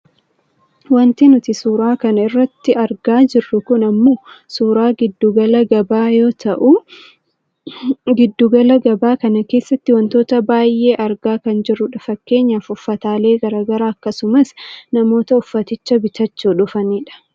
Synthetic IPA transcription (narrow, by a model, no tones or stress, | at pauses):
wɐnt̪ɪnʊt̪ɪsuːɾaːkɐnɐɪrːɐt̪ːɪɐɾɡaːd͡ʒɪrːʊkʊnɐmːo̞ːsuːɾaːɡɪd̪ːuɡɐlɐɡɐbaːjo̞ːt̪ʰɐʔu | ɡɪd̪ːuːɡɐlɐɡɐbaːkɐnɐke̞ːsːɐt̪ːɪwɐnt̪o̞ːt̪ɐbaːjːe̞ːʔɐɾɡaːkɐnd͡ʒɪrːʊᶑɐfɐkːe̞ːɲːaːfʊfːɐt̪aːle̞ːɡɐɾaːɡɐɾaːɐkːɐsʊmɐsnɐmo̞ːt̪ɐʊfːɐt̪ɪt͡ʃːɐbɪt̪ɐt͡ʃːuːᶑʊfɐniːᶑɐ̥